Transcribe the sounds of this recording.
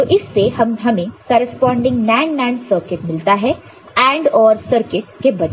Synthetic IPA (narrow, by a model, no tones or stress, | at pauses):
t̪oːʔɪsːeɦɐmɦɐmẽkɐːɾəspãːɳɖɪ̃ŋɡnɛ̃ːɳɖnɛ̃ːɳɖsəːɾkɪʈmɪlt̪aɦɛ | ɛ̃ːɳɖɔːɾsəɾkɪʈkebɐd͡ʒ